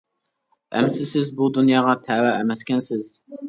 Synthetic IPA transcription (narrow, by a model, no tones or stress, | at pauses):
ɛ̰msɪsɪzbud̪unjɑːʁɑt̪ʰæwæɛmɛskʲɛnsɪz̥